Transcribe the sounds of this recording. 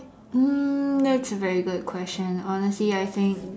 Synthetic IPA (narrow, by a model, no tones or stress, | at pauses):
m̩ðætsəvɛɹiɡʊd̚kʰw̥ɛst͡ʃə̃nɔnəsliaɪθɪ̃ŋk